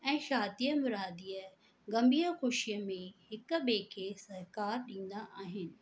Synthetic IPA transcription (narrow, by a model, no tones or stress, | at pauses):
ɛ̃ːʃaːd̪ijəmʊɾaːd̪iːə | ɡɐmbiːəxʊʃijəmẽhɪkɓeːkʰesɐɾkaːɾɗĩːn̆d̪aʔaːɦɪnɪ̆